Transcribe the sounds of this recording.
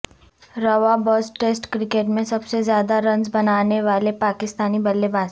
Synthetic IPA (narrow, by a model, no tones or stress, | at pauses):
ɾɐʋabɔːsʈeːsʈkɾɪkeːʈmẽsɐbsezjaːd̪aɾɐ̃nd͡ʒbɐnaːneʋaːlepaːkɪst̪aːnibɐlːebʱaːs